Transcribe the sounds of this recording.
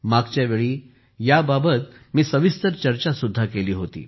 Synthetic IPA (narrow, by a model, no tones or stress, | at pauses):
maɡt͡ɕjaʋeɭiː | jababət̪miːsəʋist̪əɾt͡ɕəɾt͡ɕasud̪ʱːakeliːɦot̪ḭː